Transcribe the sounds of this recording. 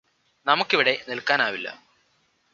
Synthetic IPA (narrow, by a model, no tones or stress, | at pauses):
nɐmukːiʋiɽe̞nilkaːnaːʋilːɐ̰